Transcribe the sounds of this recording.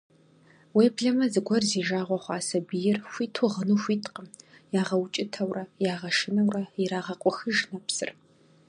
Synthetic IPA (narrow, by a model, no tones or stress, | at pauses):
weːbɮɐmɐzɨɡʷɔrziːʒaːʁʷɔχʷaːsɐbijɪrɕʷiːtʰoʁənuːxʷiːtʰqəmjaːʁɐwt͡ʃʼɪtʰɐwrɐjaːʁɐʃɪnɐwrɐiɾaːʁɐqʷʼɔxɨʒnɐpsɨ̰r